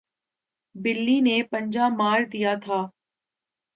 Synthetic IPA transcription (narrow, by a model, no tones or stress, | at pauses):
bɪlːiːnepɐɲd͡ʒaːmaːɾd̪ijat̪ʰaː